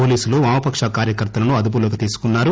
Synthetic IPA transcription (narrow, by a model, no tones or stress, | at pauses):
oːliːsuluʋaːmɐpɐkʂaːkaːɾjɐkɐɾt̪ɐlɐnuɐd̪up̬uloːkit̪iːsu̥kunːaːɾu